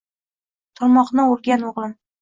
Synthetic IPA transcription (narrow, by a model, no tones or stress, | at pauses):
t̪ʰɒɾmɒqnəʊɾˠɡʲanoʁlˠɪm